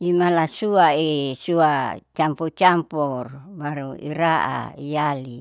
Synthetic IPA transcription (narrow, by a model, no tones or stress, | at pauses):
imalasuaesuat͡ʃamput͡ʃamporbaɾuḭɾaʔa̰ijali